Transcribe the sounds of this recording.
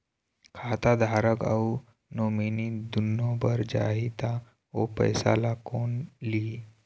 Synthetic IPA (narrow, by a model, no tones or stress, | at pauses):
kʰaːt̪ad̪ʱaːɾəka̰u | noːminid̪unːõbəɾd͡ʒa̰ɦit̪a | opə̰jsa̰lakoːnliː